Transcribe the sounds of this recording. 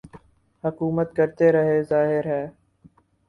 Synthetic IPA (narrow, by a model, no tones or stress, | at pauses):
hʊkuːmət̪̚kəɾt̪eɾɐɦezaːɦɪɾɦɛː